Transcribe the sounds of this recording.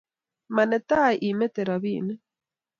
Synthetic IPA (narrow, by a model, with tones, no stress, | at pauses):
ma˨ne˨t̪a˦ʔime˦t̪eɾaβiː˦n˦